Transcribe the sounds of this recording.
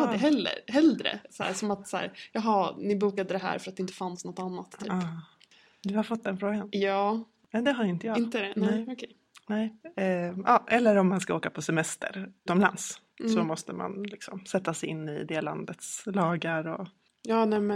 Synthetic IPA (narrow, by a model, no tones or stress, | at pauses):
ad̪əɦɛlːə̰ɾhɛld̪ɾə̰sæ̰ːʂɔmat̪sæ̰ːɾjɑːɦɑnɪbuːkad̪əd̪ɛɦæ̰ːɾfœɾt̪d̪ɛɪnt̪ə̥fansnɔt̪ːanːat̪ʰːyːɑː | d̪ɵhaɾfɔt̪ːd̪ɛnfɾoːɡanjɑː | nɛd̪ɛɦaɾɪnt̪əjɑːɪnt̪əd̪ɛnɛɪɔkʰɛj | nɛɪ | ɑːʔɛlːəɾɔmːanskaoːkapʰɔsɛmɛst̪ʰə̰ɾt̪ɔmla̰ns | sɔmɔst̪əma̰nlɪksɔ̰msɛt̪ːasɛjɪnːɪ̰d̪eːla̰nd̪ət̪slɑːɡaɾɔ | jɑːnɛmɛ